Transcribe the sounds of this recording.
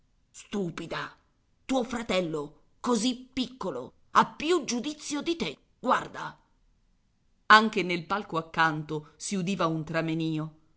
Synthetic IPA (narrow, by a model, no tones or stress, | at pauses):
st̪uːpid̪a | t̪uːofɾat̪ɛlːo | kozipːikːolo̰ | apːjud͡ʒud̪it̪sːjod̪it̪e | ɡ̥ward̪a | aŋk̟enelpalkoakːant̪osiud̪iːvaunt̪ɾameniːo